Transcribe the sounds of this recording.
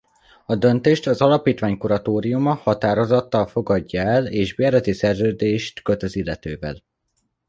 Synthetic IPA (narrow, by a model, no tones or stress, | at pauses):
ɒd̪ø̞nt̪eːʃt̪ɒzɒlɒpiːt̪ʋaːɲkuɾɒt̪oːɾijumɒhɒt̪aːɾo̞zɒt̪ːɒlfo̞ɡɒɟːɒɛleːʒbɛɾɛt̪isɛrzøːd̪eːʃt̪køt̪øzilːɛt̪øːvɛ̰l